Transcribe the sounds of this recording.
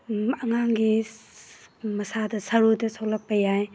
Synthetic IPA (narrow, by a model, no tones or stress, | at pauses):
ɐŋaŋɡi | mɐsadɐsɐɾudɐsowlɐk̚pɐjaj